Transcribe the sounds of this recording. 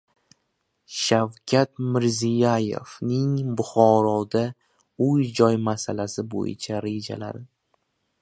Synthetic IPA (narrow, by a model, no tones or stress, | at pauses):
ʃawkʲʰat̪mɪɾzijaje̞̰fnɪŋbʊχɒɾɒd̪a | ʊjd͡ʒɒjmasalasɪbo̰jɪ̰t͡ʃʰaɾe̞d͡ʒa̰la̰d̪ɪ